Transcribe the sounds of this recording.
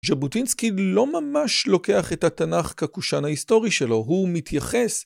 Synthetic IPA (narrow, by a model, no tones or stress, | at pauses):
ʒabutinskilo̞mamaʃlo̞ke̞aχe̞thatanaχkakuʃanhaisto̞ʁiʃe̞lo̞ɦumit̪ʰjaχe̞s